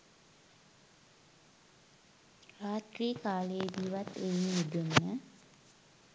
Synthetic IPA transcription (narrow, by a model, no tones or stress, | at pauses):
raːt̪riːkaːləjed̪iːʋat̪ejnʋid̪unːə